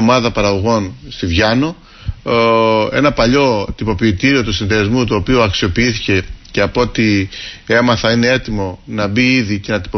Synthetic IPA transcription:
omɐðɐpɐɾɐɣo̞ɣo̞nst̪ivʝɐno̞ | e̞̰nɐpɐʎo̞t̪ipo̞piːt̪iɾio̞t̪usinðeɐzmut̪uopioɐksio̞piiθice̞ce̞ɐpoot̪iemɐθɐine̞e̞t̪imo̞nɐbiiðice̞nɐt̪i̥po

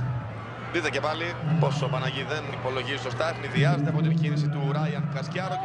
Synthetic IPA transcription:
it̪ece̞pɐlipo̞so̞pɐnɐʝiðenipo̞lo̞ʝiziso̞st̪ɐexmiðiɐzet̪eɐpo̞t̪inʝinis̬it̪uɾɐjɐŋkɐscɐɾo

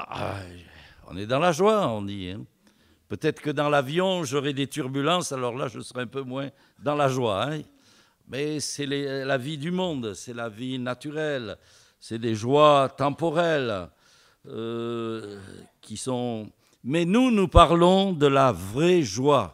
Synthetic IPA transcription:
a̰ | ɔ̰̃nɛd̪ɑ̃laʒwaɔ̃d̪iɛ̰̃ | pøt̪ɛt̪χə̥kəd̪ɑ̃lavjɔ̃ʒɔʁɛd̪et̪yʁbylɑ̃salɔʁlaʒəsəʁɛɛ̃pømwɛ̃ | d̪ɑ̃laʒwaɛ̃ | mɛsɛlɛlavid̪ymɔ̃d̪sɛlavinat̪yʁɛl | sɛd̪eʒwat̪ɑ̃pɔʁɛl | ø | kʰʲisɔ̃ | mɛnunupaʁlɔ̃d̪əlavʁɛʒwa

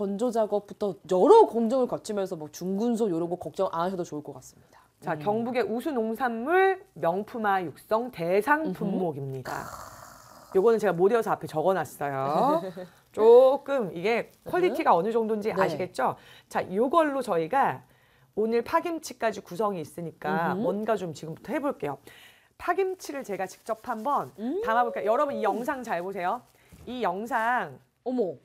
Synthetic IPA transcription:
ʌnd͡ʑod͡ʑaɡʌp͈̚utʰʌjʌɾʌkoŋd͡ʑʌŋɯɭkʌt͡ɕʰimjʌnsʰʌmwʌt͡ɕuŋɡuns̬ʰojoɾoɡokʌk̚t͡ɕ͈ʌŋʔanaɕʰʌdot͡ɕouɭk͈ʌk͈as͈ɯ̥mɲid̥ḁ | t͡ɕakjʌŋbuɡe̞ʔusʰunoŋsʰamːuɭmjʌŋpʰumajuk̚s͈ʌŋte̞sʰaŋpʰumːoɡimɲida̰ | joɡʌnɯnt͡ɕe̞ɡamodeʌsʰʌapʰe̞t͡ɕʌɡʌnas͈ʌjo | t͡ɕ͈ok͈ɯmiɡe̞kkʰwʌɭʎːitʰiɡaʌnɯd͡ʑʌŋdond͡ʑiʔaɕʰiɡe̞t̚t͡ɕ͈o | t͡ɕajoɡʌɭːot͡ɕʌiɡa | onɯɭpʰaɡimt͡ɕʰi̥k͈ad͡ʑikus̬ʰʌŋiːs͈ɯɲik͈awwʌnɡad͡ʑomt͡ɕiɡɯmbutʰʌhe̞boɭk͈e̞jo | pʰaɡimt͡ɕʰiɾɯɭt͡ɕe̞ɡat͡ɕi̥k̚t͡ɕ͈ʌpʰambʌntamaboɭkajʌɾʌbunijʌŋs̬ʰaŋt͡ɕaɭbos̬ʰe̞jo | ijʌŋs̬ʰaŋ

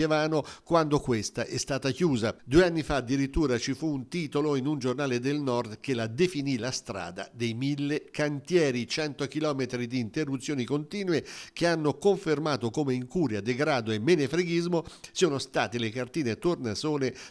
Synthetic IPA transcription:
evaːnokwand̪okwest̪aʔɛst̪aːt̪ak̟juːzad̪uːeanːifaːd̪ːiɾit̪ːuːɾat͡ʃifuːnt̪iːt̪oloinund͡ʒornaːled̪elnɔrd̪k̟elad̪efinilast̪ɾa̰ːd̪a̰d̪ejmilːekant̪jɛːɾit͡ʃɛnt̪okilɔːmet̪ɾid̪iːnt̪erːut̪sːjoːnikont̪iːnwek̟eanːokoɱfermaːt̪okomeiŋkuːɾjad̪eɡɾaːd̪oemːenefɾeɡizmosoːnost̪aːt̪elekart̪iːnet̪ornasoːne

